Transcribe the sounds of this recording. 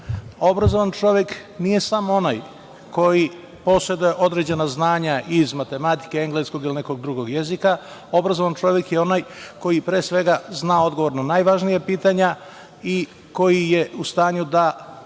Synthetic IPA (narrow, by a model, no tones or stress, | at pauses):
o̞bɾazo̞ʋant͡ʃo̞ʋje̞k | nije̞samo̞naj | ko̞ji | po̞sɾe̞d̪uje̞ʔo̞d̪ɾe̞d͡ʑe̞naznaːɲaʔizmat̪e̞mat̪i̥ke̞eŋɡle̞sko̞ɡiline̞ko̞ɡ̚d̪ɾuɡo̞ɡjezika | o̞bɾazo̞ʋant͡ʃo̞ʋje̞kje̞o̞najko̞jipɾeːsʋe̞ɡaznaːo̞d̪ɡo̞ʋo̞ɾnonaːjʋaʒnijapiːt̪aɲa | i | ko̞jije̞ust̪aːɲud̪a